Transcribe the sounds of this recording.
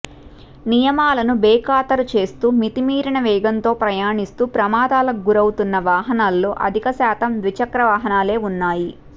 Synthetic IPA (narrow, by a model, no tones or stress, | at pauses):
nijɐmaːlɐnubɛːkaːt̪ɐɾut͡ʃe̞ːst̪uːmit̪imiːɾiɳɐʋɛːɡɐnt̪o̞ːpɾɐjaːɳist̪uːpɾɐmaːd̪aːlɐɡuɾɐwut̪unːɐʋaːɦɐnaːlːoːʔɐ̰d̪ʱikɐsaːt̪ɐmʋit͡ʃɐkɾɐʋaːɦɐnaːle̞ːunːaːji